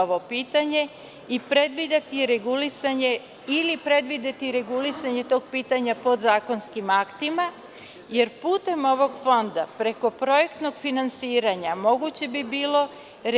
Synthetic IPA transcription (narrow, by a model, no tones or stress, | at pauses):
oʋo̞piːt̪aɲe̞ | ipɾe̞d̪ʋid̪at̪iɾeɡulisaɲe̞ | ilipɾe̞d̪ʋid̪et̪iɾe̞ɡulisaɲe̞t̪o̞ːɡ̚piːt̪aɲapo̞d̪zaːko̞nskimakt̪ima | je̞ɾpuːt̪e̞mo̞ʋo̞ɡfo̞nd̪apɾe̞ko̞pɾo̞je̞kt̪no̞ɡfinansiːɾaɲamo̞ɡut͡ɕe̞bibiːlo̞ | ɾ